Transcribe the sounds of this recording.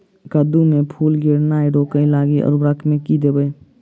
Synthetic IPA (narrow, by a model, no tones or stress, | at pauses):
kad̪umẽpʰuːlɡeɾnaːiɖoːkəilaːɡiʔɔ̰ɾbɾakʰmẽkid̪eːbəj